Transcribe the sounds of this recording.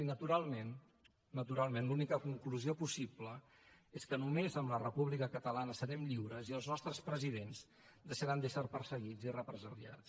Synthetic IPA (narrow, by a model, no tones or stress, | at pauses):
inət̪uɾalˠmenː | ət̪uɾalˠmenlunikəkuŋkluziopusiplə | eskənumezəmlərəpuβlikəkət̪əlanəsəɾɛmʎiwɾəziəlˠznɔst̪ɾəspɾəziðenz | d̪əʃəɾand̪əsəɾpərsəɣ̞id͡zirəpɾəzəɾja̰t͡s